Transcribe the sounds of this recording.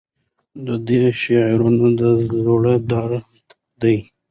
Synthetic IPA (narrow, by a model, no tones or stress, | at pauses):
d̪əd̪eʃeʕɾunod̪əzoɽed̪ɑɾ | d̪aj